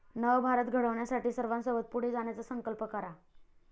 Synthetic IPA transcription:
nəʋbʱaɾət̪ɡʱəɽəʋɳjasaʈiːsəɾʋãnsəbət̪̚puɽ̤ed͡zaɳjat͡səsəŋkəlpəkəɾa

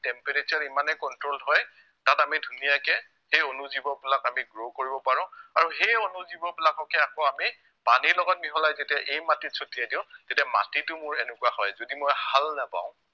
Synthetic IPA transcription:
tɛmpeɹet͡ʃaɹimanɛkɔntɹolɦɔj | tatamidʱunijakɛ | xejonuzibɔbelakamiɡɹokoɹibɔpaɹʊ̃aɹuxejonuzibɔbɛlakɔkɛakɔami | paniɹlɔɡɔt̚miɦɔlajzetiaʔejmatisʰotijadiʊ̃tetiama̰titʊmʊɹɛnɛkuwahɔjzodimojhalnapã̰ʊ̃

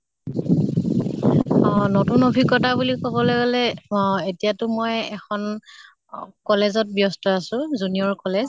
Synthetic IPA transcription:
notunobʱikɔtabulikɔbɔloɡalɛetijatʊmɔjɛkʰɔn | kɔlezɔt̚bjɔstɔasʊ̃zuniɔɹkɔlez

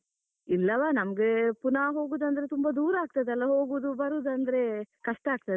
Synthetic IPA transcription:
ilːɐʋaːnɐmɐɡepunaɦo̞ːɡud̪ɐnd̪ɐɾe̞t̪umbɐd̪uːɾɐaːɡ̚t̪ɐd̪ɛlːɐɦoːɡud̪ubɐɾuːd̪ɐnd̪ɐɾe̞kɐʂʈɐaːɡ̚t̪ɐd̪

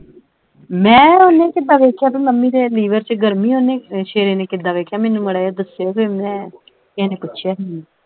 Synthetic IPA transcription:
mɛ̃ːonːẽːkɪd̪aːʋeːkʰjaːpinəmːiːd̪eːliːʋəɾt͡ʃɡəɾmĩːoneːʃeːɾeːneːkɪd̪aːʋeːkʰːjaːmɛːnːũːməɽaːjaːd̪əseokemɛ̃ː | ɪɛ̃ːneːpʊtːʃʰjaːɦii

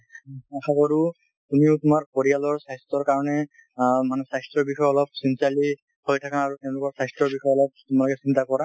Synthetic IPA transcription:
axakɔɹu | tumiʊtʊmaɹpoɹijalɔɹsajstɹɔɹkaɹɔnɛ | manɛsajstɹɔbixʰɔjɔlɔp̚sinsiali | hojtʰakaːɹutɛʊ̃lʊkɔɹsajstɹɔɹbixʰɔjɔlɔp̚tʊmalɔkɛsintakɔɹa

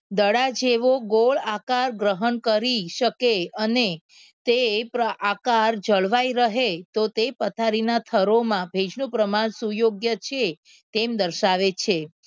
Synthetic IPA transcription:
d̪əɽad͡ʒeʋoɡoɭakaɾɡɾəɦənkəɾiʃəkeəne | t̪epɾəʔakaɾd͡ʒəɭʋaiɾəɦet̪ot̪epət̪ʰaɾinat̪ʰəɾomãbʱed͡ʒnũpɾəmaɳsujoɡjət͡ʃʰe | t̪emd̪əɾʃaʋet͡ʃʰe

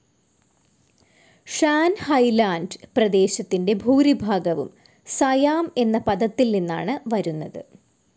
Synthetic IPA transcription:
ʂaːnhɐjlaːndprɐd̪e̞ːɕɐt̪ːinde̞bʱuːɾibʱaːɡɐʋṵm | sɐjaːme̞nːɐpɐd̪ɐt̪ːilninːa̰ːɳɨʋɐɾunːɐðɨ̰

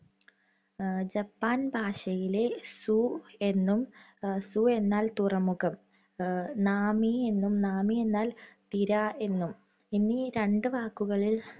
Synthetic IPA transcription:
d͡ʑɐpːaːnbʱaːʂɐjile̞sue̞nːumsue̞nːaːlt̪urɐmːuɣɐm | naːmie̞nːumnaːmie̞nːaːlt̪iɾɐe̞nːum | inːiɾe̞ɳɖɨʋaːkːuɣɐɭil

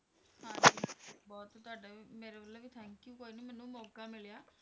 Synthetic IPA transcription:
hãːd͡ʒiːbɔːt̪t̪ʊaːɖeːmeːɾeːʋəlːəːʋiːt̪ʰɛ̃ːŋkjuːkoːiːnimɛːnũːmoːɡaːmɪljaː

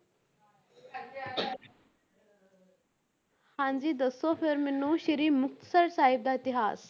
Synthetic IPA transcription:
hãːnd͡ʑiːd̪ɐsːoːfeɾminːũːʃiɾiːmʊkt̪səɾsaːɦib̚d̪aːɪt̪iɦa̰ːs

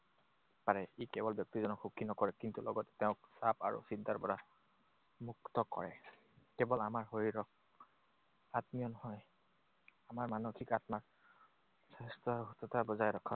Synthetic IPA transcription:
paɹɛikɛbɔlbjɔk̚tizɔnɔkxukʰːinɔkɔɹɛkintulɔ̰ɡɔtɛ̥tɛʊ̃k̚sapa̰ɹṵsintaɹpɔɹa | muktɔkɔ̰ɹɛ̰ | kɛbɔlamaɹɦoɹiɹɔk̚ | atmijɔnɔhɔj | amaɹmanokʰikatmaɹ | sɛstɔɦutɔtabɔzajɹɔkʰa

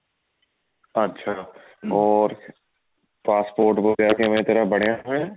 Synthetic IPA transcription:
ɐtːʃʰaː | ɔːɾ | paːspoːɾʈboɡejakiɦɐmːt̪əɾəbɐɽ̤jãɦɦẽ

